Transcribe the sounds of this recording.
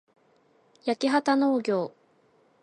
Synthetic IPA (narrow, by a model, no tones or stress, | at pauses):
jakʲiɦat̪ano̞ːɡʲo̞ː